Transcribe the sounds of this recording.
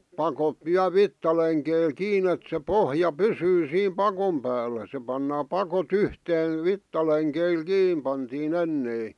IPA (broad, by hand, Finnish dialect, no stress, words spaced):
pɑkot ʋiæl ʋitːɑleŋkeil kiːn et se pohjɑ pysyː siːm pɑkom pæːlːæ se pɑnːɑː pɑkot yhteːn̞ ʋitːɑleŋkeil kiːm pɑntiːn enːei